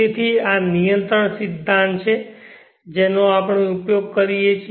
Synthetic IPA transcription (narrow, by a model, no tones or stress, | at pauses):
et̪ʰianijənt̪ɾəɳsid̪ʱːãnt̪t͡ʃʰe | d͡ʒenoapɳ̃eupjoɡ̚kəɾijet͡ʃʰi